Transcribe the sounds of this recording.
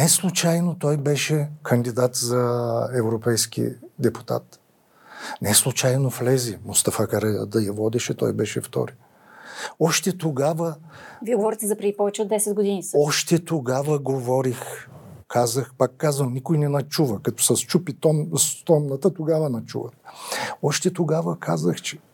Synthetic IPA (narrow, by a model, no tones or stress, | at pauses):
nɛslˠut͡ʃajnot̪ɔjbɛʃɛkʰənd̪id̪at̪zɐɛvɾopɛjsk̟ḭd̪ɛpu̥t̪a̰t̪ | nɛslˠut͡ʃajnoflɛzimʊst̪ɐfakɐɾɛjə̰d̪ɐjɐvɔd̪ɛʃɛt̪ɔ̰jbɛʃɛft̪ɔ̰ɾi | ɔʃt̪ɛt̪oɡavə | viɛɡovɔɾit̪ɛzɐpɾɛd̪ipɔvɛt͡ʃɛod̪ːɛsɛd̪̚ɡod̪inisɔʃt̪ɛt̪oɡavəɡovɔɾixkʰazəxpakːazənnikojnɛnɐt͡ʃuvəkɐt̪ɔ̥sɐst͡ʃupit̪ɔmst̪ɔmnət̪ət̪oɡavənɐt͡ʃṵvə | ɔʃt̪ɛt̪oɡavəkʰazəxt͡ʃɛ̥